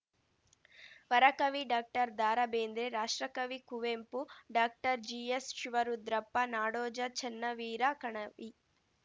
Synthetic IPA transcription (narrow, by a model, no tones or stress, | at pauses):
ʋɐɾɐkɐʋiɖaːk̚ʈɐɾd̪aːɾɐbeːnd̪ɾeɾaːʂʈɾɐkɐʋikuʋeːmpuɖaːk̚ʈɐɾd͡ʒiːesʃiʋɐɾud̪ɾɐpːɐnaːɽɔːd͡ʒɐt͡ʃɛnːɐʋiːɾakɐɳɐʋi